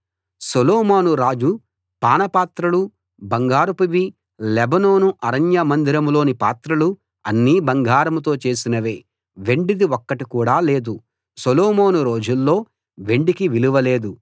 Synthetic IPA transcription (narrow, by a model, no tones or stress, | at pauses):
soloːmoːnuɾaːd͡ʒu | paːnɐpaːt̪ɾɐlu | bɐŋɡaːɾupɐʋi | lɛbɐno̞ːnuʔɐɾɐnjɐmɐnd̪iɾɐmlo̞ːnipaːt̪ɾɐlu | ɐ̰nːiːbɐŋɡaːɾɐmut̪̬o̞ːt͡ʃe̞ːsinɐʋeː | ʋe̞ɳɖid̪iɔkːɐʈikuːɽaːleːd̪u | soloːmoːnuɾo̞ːd͡ʒulːo̞ː | ʋe̞ɳɖikiʋiluʋɐle̞ːd̪u